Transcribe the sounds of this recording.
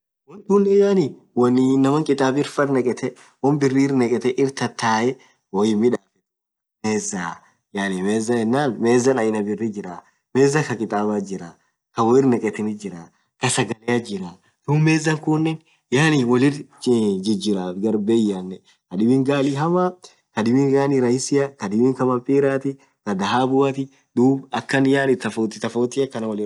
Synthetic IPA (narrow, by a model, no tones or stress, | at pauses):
wɔnt̪ʊnːɛjaːni | wɐnːnːɐmɐŋkʼɪt̪ʼaːbɪɾfɐrnɛkʼɛt̪ɛ | wɐnbɪrːiːɾnɛkʼɛt̪ɛʔɪɾt̪ɐt̪ːaːʔɛ | wɔjɪmɪᶑaːfɛ̥t̪ | meːzaː | jaːnimeːzːɐɛnːaːnmeːzːɐnɐɪnɐbɪrːid͡ʒɪɾaː | meːzːɐkɐkʼɪt̪ʼaːbaːd͡ʒɪɾaː | kɐwɔjɪɾnɛkʼɛt̪ɪnɪd͡ʒɪɾaː | kɐsɐɡɐleɐd͡ʒɪɾaː | t̪uːmeːzːɐŋkʊnːɛn | jaːnɪwɔlɪɾd͡ʒɪd͡ʒɪɾaːɡɐɾbeːjanːɛ | kɐdɪbɪŋɡaːlɪɦɐma | kɐd̪ɪbɪŋɡaːnɪɾɐjɪsɪjɐkɐd̪ɪbɪŋkɐmɐmpʼiːɾaːt̪ɪ | kɐd̪ɐɦaːbʊɐt̪ɪ | d̪uːbɐkːɐnjaːnɪt̪ɐfot̪ɪt̪ɐfoːt̪ɪɐkːɐnɐwɔlɪ